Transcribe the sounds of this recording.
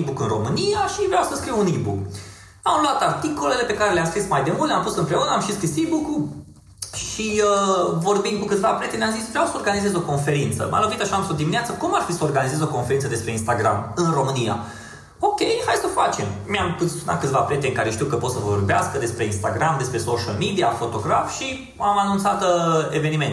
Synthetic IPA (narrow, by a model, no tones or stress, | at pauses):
bukɨnro̞mɨnijaʃivɾeawsəskɾiwunibuk | amluat̪art̪iko̞le̞le̞pe̞kaɾe̞leamskɾismajd̪e̞mult̪ampusɨmpɾe̞unəamʃiskɾisibuku | ʃiəvo̞rbind̪kukɨt̪vapɾe̞t̪enʲjamzisvɾeawsəo̞rɡanizezo̞ko̞nfe̞ɾint̪sə̰mʔa̰lovit̪aʃamsod̪imineat̪səkumarfisəorɡanizezo̞ko̞nfeɾint̪əd̪espɾeinst̪aɡɾa̰mɨnro̞mɨnija̰ | o̞kʲe̞jhajsəfat͡ʃe̞mmeampɨt̪sunat̪̚kɨt̪vapɾe̞t̪eɨŋkaɾeʃt̪iwkəpo̞t̪səvoorbea̰skəd̪e̞spɾe̞inst̪aɡɾamd̪e̞spɾe̞soʃəlmid̪iafo̞t̪o̞ɡɾafʃi | amanunt̪sat̪eve̞nime̞nt̪